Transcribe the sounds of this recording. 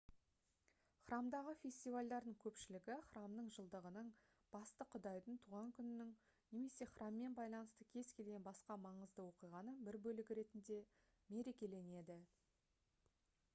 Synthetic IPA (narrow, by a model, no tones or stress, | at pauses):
χrɑmd̪ɑʁəfʲe̞sʲt̪ijvalʲd̪ɑɾd̪əɴkʲʰɵpʃɪlɪɡʲɪχramnəɴʒəlˠd̪əʁənəɴ | b̥ɑst̪əqʰʊd̪ɑjd̪əɴt̪ʰuʁɑŋkʲʰʏnɪnɪŋ | ne̞me̞se̞χrɑmːe̞nbɑjlˠɑnəst̪əkʲʰe̞z̥kʲʰe̞lɡʲe̞nbɑsqɑmɑɴəzd̪əwo̞qijʁɑnəbɪɾbɵlɪɡʲɪɾe̞t̪ɪnd̪e̞ | me̞ɾe̞kʲe̞le̞ne̞d̪ɪ